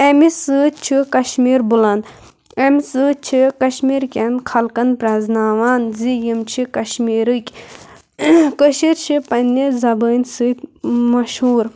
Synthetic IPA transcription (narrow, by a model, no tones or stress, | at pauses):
emisɨt͡ʃʰikɐʃmiːɾbulɐn | ɐmʲsɨːt͡ʃʰikɐʃmiːɾkʲenkʰɐlkɐnpɾɐznaːʋaːnzijimt͡ʃʰikɐʃmiːɾɨkʲ | kəʃiɾt͡ʃʰipɐnːizɐbəːnʲsɨt̪mɐʃhɦuːɾ